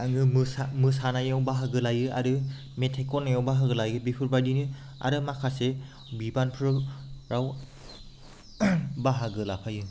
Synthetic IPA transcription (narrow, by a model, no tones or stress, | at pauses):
aŋɯmɯsamɯsanajawbaɦaɡɯlajɯa̰ɾɯ | metʰekɔnajawbaɦɯɡɯlajɯbipʰɯɾbajdinɯ | a̰ɾɯmakʰase | bibanpʰɯɾɯɹaw | baɦaɡɯlapʰajɯ